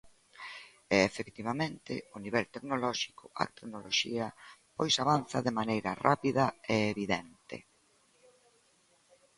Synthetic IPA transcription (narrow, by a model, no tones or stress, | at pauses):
ɛːfekt̪iβamẽnt̪ɪ̰ʊniβ̞ɛlt̪eknolɔʃi̥kʊa̰t̪eknoloʃiɐpojsaβanθɐðemanejɾɐrapiðɐeeβiðɛnt̪ḛ